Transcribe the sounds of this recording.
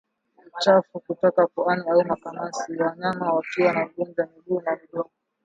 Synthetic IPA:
t͡ʃafukutɔkapɔaniaumakamasiaɲamawakiwanaɡund͡ʒamiɗuːnamiɗɔɔ

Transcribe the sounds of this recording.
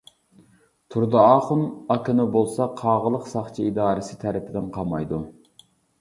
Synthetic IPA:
t̪ʰuɾd̪ɑɑːχunɑkʰʲinubolˠsɑqʰɑːʁəlˠəqsɑχt͡ʃʰiid̪ɑːɾɪsɪ̥t̪ʰæɾɪpʰɪd̪ɪnqʰɑmɑ̰jd̪u

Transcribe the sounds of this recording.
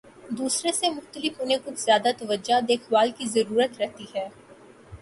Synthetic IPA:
d̪uːsɾesemʊxt̪əlɪfʊnẽkʊt͡ʃʰz̥jaːd̪at̪ɐʋəd͡ʒad̪eːkʰwaːlkizɐɾuːɾət̪ɾɛɦt̪iɦɛː

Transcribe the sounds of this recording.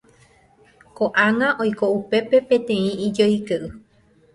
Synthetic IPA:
koʔãŋãʔojko̞upe̞pe̞pẽ̞t̪ẽ̞ĩid͡ʒojkeʔɨ

